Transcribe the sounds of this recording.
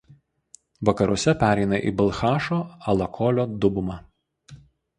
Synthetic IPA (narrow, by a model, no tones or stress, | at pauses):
ʋɐkɐɾʊsʲɛpʲæːɾʲɛɪnɐʔḭːbɐlˠxɑːʃoːɐlˠɐkʰɔːlʲoːd̪ʊbʊmɑ